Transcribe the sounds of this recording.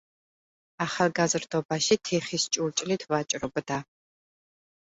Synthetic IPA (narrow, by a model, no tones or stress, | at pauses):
aːχalɡazɨrdobaːʃiːtʰeːχiːst͡ʃʼuwt͡ʃʼɪliːtʰvaːt͡ʃʼɪrɨbɨdaː